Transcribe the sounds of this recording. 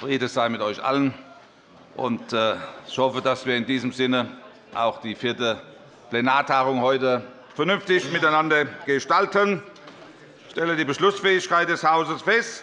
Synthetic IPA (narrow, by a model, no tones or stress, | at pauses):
fʁiːdəz̥aɪmɪtɔʏçʔa̰lən | ʔʊ̰ntːɪçhɔfədasviːɐɪndiːzəmzɪnə | ʔa̰ʊxd̥iːfɪɐtə | plenaːɐtʰaːʁʊŋhɔʏtə | fɛɐnʏnftɪçmɪtaɪnandɐɡ̥əʃtaltən | ʃtɛlədiːbəʃlʊsfɛːɪçkaɪt̚d̥ɛshaʊzəsfɛst